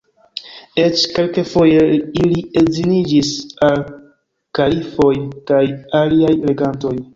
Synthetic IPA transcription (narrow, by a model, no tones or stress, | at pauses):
et͡ʃke̞lkefo̞jeiliezinid͡ʒisal | kalifo̞jkajaliajle̞ɡanto̞j